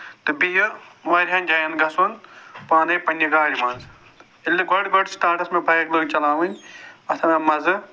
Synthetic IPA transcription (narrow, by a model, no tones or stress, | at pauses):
t̪ɨbijɐʋaːɾʲɦãːnʲd͡ʒaːjɐnɡɐsoːnpaːnɐjpɐnʲjɐɡaːɽimaːnz | ilʲːiɡɔɽɡɔɖsʈaːʈɐsmẽbʱɐjɐkloːɡt͡ʃɐlaːʋɐnʲɐt̪ʰɐnɐmɐzɨ